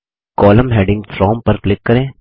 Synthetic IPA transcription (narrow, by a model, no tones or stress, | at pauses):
kɔːləmɦeːɖɪ̃ŋɡfɾɔːmpɐɾklɪkːɐɾẽː